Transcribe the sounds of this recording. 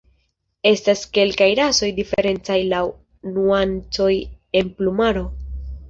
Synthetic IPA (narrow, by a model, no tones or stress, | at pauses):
e̞staske̞lkajɾaso̞jdifeɾe̞nt͡sajlaw | nuant͡so̞j | e̞nplumaɾo̞